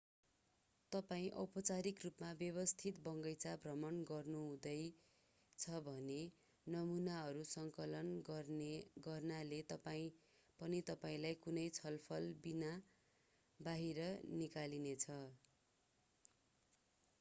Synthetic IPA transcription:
t̪ʌpaĩʔʌpʌt͡saɾikrupmabjʌβʌst̪ʰit̪bʌŋɡʌjt͡sabrʌmʌnɡʌrnũd̪ʌj | t͡sʰʌbʱʌne | nʌmunaɦʌɾusʌŋkʌlʌnɡʌɡʌrnalet̪ʌpaĩ | pʌnit̪ʌpaĩlajkunʌjt͡sʰʌlpʰʌlbina | baɦiɾʌnikalinet͡sʰʌ

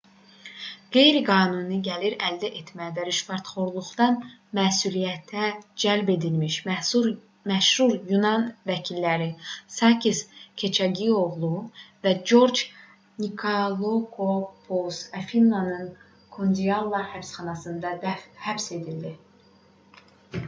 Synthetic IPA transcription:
ɡ̥e̞jɾiɡɑːnunɯɟæliɾæld̪æʔet̪ʰmæd̪æɾyʃfɑɾt̪χo̞ɾlˠuχd̪ɑnmæːsulijæt̪ʰæd͡ʒælbe̞d̪ilmiʃ | mæʃhuɾjunɑnvæcʰilːæɾisɑcʰiscʲʰe̞t͡ʃʰæɟio̞ʁlˠuvæd͡ʒo̞ɾd͡ʒ | nikʰolˠokʰopʰosæfinːanɯn | kʰond̪iɑlˠːɑhæpsχɑnɑsɯnd̪ɑd̪æfhæbse̞d̪ild̪i

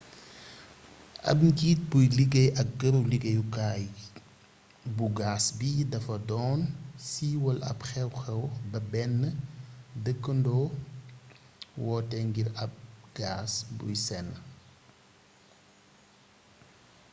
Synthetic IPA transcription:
ʔɐ̰p̚ŋɡiːt̚bujliɡɐjʔɐk̚ɡəɾuliɡɐjukaːj | buɡaːsbidɐfɐdɔːnsiːwɐlɐ̰pxɛwxɛwbɐbɛnːədəkːəndɔː | wɔːtɛŋɡiɾɐp̚ɡ̥aːsbṵjsɛnː

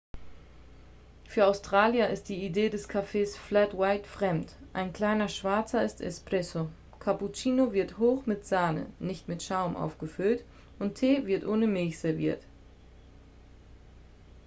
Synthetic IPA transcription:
fyːɐaʊstʁ̥aːljɐʔɪst̚d̥iːideːdɛskʰafeːsflatwaɪtfʁ̥ɛmtʔa̰ɪnkl̥aɪnɐʃv̥aɐt͡sɐɪstɛ̰spʁ̥ɛso | kʰaput͡ʃiːnovɪɐthoːxmɪtz̥aːnə̰nɪçtmɪtʃaʊmʔa̰ʊfɡ̥əfʏlt | ʔʊntʰːeːvɪɐtʔoːnəmɪlçz̥ɛɐvḭːɐt

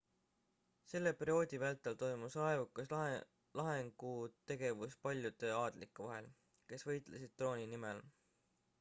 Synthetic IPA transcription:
se̞lːe̞perio̞ːd̪̥ʲivælt̪ːˑɑlt̪o̞jmusɑevukːˑɑs | lɑɦe̞ŋɡ̥ut̪e̞ɡ̥e̞vuspɑlʲjud̪̥e̞ɑːd̪̥likːˑuvɑɦe̞l | ke̞svɤ̞jt̪ˑlesid̪̥̚t̪ːro̞ːnʲinimel

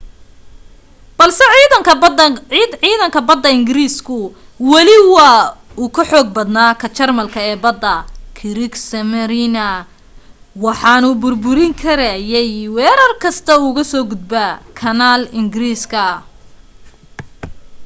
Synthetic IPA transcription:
b̥ɐlsɛ | ʕiːðɐŋkʰɐbɐd̪ːɐɪŋɡɪɾiːskʰʊ | wɑlɪwɐuːkʰɐħɔːɡ̚bɐd̪naːkʰɐt͡ʃɐrmɐlkʰɐɛːbɐd̪ːɐkʰɪɾɪksɐmɐɾinɐ | wɑħɑːnʊbʊrbʊɾɪŋkʰɐɾajɛjwɛːɾɐrkʰɐst̪ʰɐuɣɐsɔːɡʊd̪̚bɐkʰɐnaːlɪŋɡɪɾiːskʰɐ

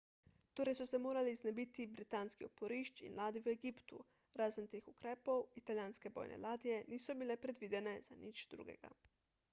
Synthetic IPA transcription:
t̪oːɾɛjsɔsɛmoːɾaliznɛbiːt̪ibɾit̪aːnskiopoɾiːʃt͡ʃḭnlaːd̪iweɡiːpt̪ṵ | ɾaːzənt̪eːxukɾɛːpɔwit̪aljaːnskɛbɔ̰ːjnʔɛ̰laːd̪ijɛniːsɔbilɛpɾɛd̪ʋiːd̪ɛnɛzanit͡ʃd̪ɾṵːɡɛ̰ɡa̰

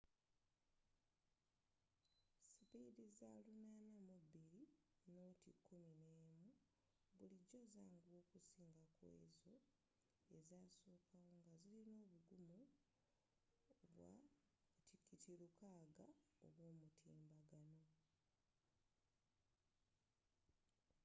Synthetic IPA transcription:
sipiːdizaːlunanamubiɾino̞tikʰːumineːmu | βuliɟːo̞zaːŋɡoːkusiːŋɡakwḛːzo̞ | ezaːsoːkawoŋɡazilino̞ːβuɡumu | βwa̰ | tʰikːitiɾukaːɡao̰βwoːmutʰḭːmbaɡano̞

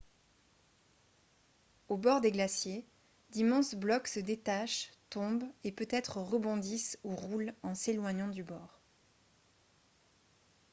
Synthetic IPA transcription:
obɔʁd̪eɡlasje | d̪imɑ̃sblɔksəd̪et̪aʃt̪ɔ̃bepøt̪ɛt̪χəʁəbɔ̃d̪isuʁulɑ̃selwaɲɑ̃d̪ybɔːʁ

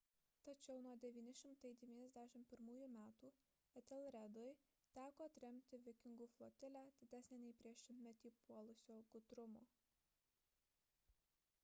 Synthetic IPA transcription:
t̪ɐt͡ʃʲɛʊnuɔd̪ʲɛʋʲiːnʲɪʃʲɪmt̪ɐɪd̪ʲɛʋʲiːnʲɛzd̪ʲæʃʲɪmt̪̚pʲɪɾmuːjuːmʲæːt̪uː | ɛt̪ʲɛlˠɾʲɛd̪oɪ | t̪ʲæːkoːɐt̪ʲɾʲɛmʲt̪ʲɪʋʲɪkʲɪŋɡuːflˠoːt̪ʲɪlʲæːd̪ʲɪd̪ʲæsʲnʲenʲɛɪpʲɾʲiɛʃʲɪmʲtʲmʲɛt̪ʲiːpuɔlˠʊsʲoːɡʊt̪ɾʊmuː

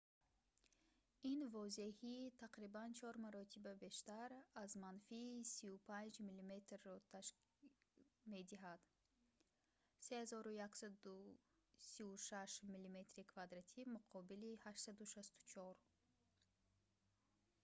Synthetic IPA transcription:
invɔze̞hit̪ʰaqɾibant͡ʃʰɔɾmaɾɔt̪ʰibabe̞ʃt̪aɾazmanfiːsiupʰand͡ʒmilime̞t̪rːɔt̪ʰaʃ | me̞d̪iɦad̪̥ | sehazɔɾujaksad̪u | siuʃaʃmilime̞t̪ɾikʰvad̪ɾat̪ʰimuqʰɔbilihaʃt̪sad̪uʃast̪u̥t͡ʃʰɔɾ

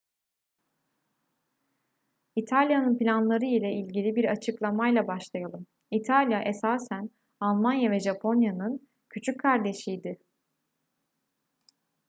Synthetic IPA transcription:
it̪ʰalʲjanɯnpilʲanlˠaɾɯilʲɛilʲɟilʲibiɾat͡ʃʰɯklˠamajlˠabaʃlˠajalˠɯm | it̪ʰalʲjaʔesaːsæn | alˠmanjavɛʒapʰo̞njanɯn | cʰyt͡ʃʰyc̚kʰːaɾd̪e̞ʃijd̪ɪ

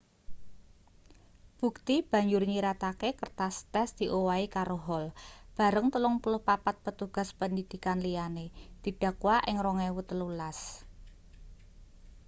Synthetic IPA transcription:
b̥ṳk̚t̪ib̥ä̤ɲd͡ʒʊrɲiɾat̪akekərt̪ast̪ɛsd̪̥i̤ʔowaikaɾoɦɔlb̥a̤ɾəŋt̪əlʊŋpulʊhpapat̪̚pət̪uɡ̥a̤spəndid̪̥i̤kanlijaned̪̥i̤ɖ̥a̤kuwaʔɪŋroŋɛwut̪əlulas

